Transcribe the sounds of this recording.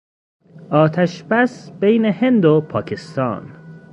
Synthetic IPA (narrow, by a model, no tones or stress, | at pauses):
ʔɒːt̪ʰæʃb̥æsb̥ejnehe̞nd̪opʰɒːcʰest̪ɒ̰ːn